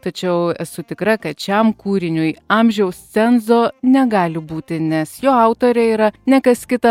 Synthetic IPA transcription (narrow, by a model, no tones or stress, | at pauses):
t̪ɐt͡ʃʲɛʊɛsʊt̪ʲɪkɾɐkɐt̪̚t͡ʃʲɛmkuːɾʲɪnʲʊjɑmʲʒʲɛʊst͡ssʲɛnzoːnʲɛɡɑːlʲɪbuːt̪ʲɪnʲɛsjoːɐʊt̪oːɾʲɛiːɾɐnʲɛkɐskʲɪt̪ɐ